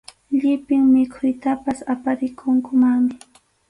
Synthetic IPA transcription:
ʎɪpɪŋmɪkʰʊjt̪apasapaɾɪkʰʊŋkʊmamɪ

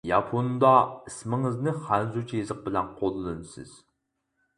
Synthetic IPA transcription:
jɑpʰond̪ɑismɪŋɨznɨχænzut͡ʃʰijezəq̚bɪlɛnqʰolˠɨlɨnɨsɨ̰z̥

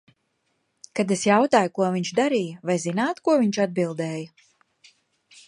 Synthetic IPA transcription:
kad̪esjawt̪aːjukuɔviɲt͡ʃd̪aɾiːjɐvajzinaːt̪kuɔviɲt͡ʃad̪̚bilˠd̪ɛːjɐ

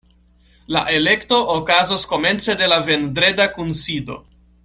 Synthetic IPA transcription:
la̰ʔe̞le̞kto̞ʔːkazosko̞me̞nt͡se̞de̞lave̞ndɾe̞dakunsido̞̰

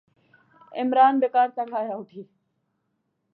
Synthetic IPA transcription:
ɪmɾaːnbeːkaːɾt̪aɡʱaːjaːʊʈʰiː

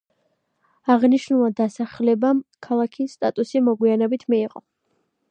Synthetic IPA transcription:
aʁniʃnulˠad̪asaχlɛbamkʰalˠakʰisːt̪ʼat̪ʼusimɔɡwianɛbit̪ʰmiːʁʼɔ

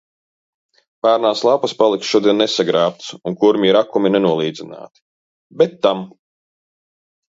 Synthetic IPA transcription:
paːɾnaːslˠapaspalˠiksʃuɔd̪iɛnːesaɡɾaːp̚t̪suŋkuɾmʲiɾakuminenuɔlˠiːd̪zina̰ːt̪i̥ | bɛt̪ːam

